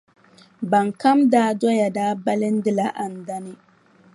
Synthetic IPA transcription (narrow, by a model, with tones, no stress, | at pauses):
ba˨ŋka˦mdaː˦dɔ˦ja˨daː˦ba˦lɪ˦n̩˦dɪ˦la˨ʔa˨n̩˨da˦nɨ˦